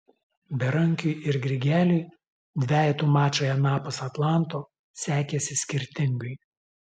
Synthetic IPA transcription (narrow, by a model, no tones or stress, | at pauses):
bʲɛɾɐŋʲkʲʊɪɪɾɡɾʲɪɡʲæːlʲuɪ | d̪ʲʋʲæːjɛt̪uːmɑːt͡ʃoːjɛnɑːpʊsɐt̪lˠɑˑnˑt̪oː | sʲæːkʲɛsʲɪsʲkʲɪɾʲt̪ʲɪŋɡɐɪ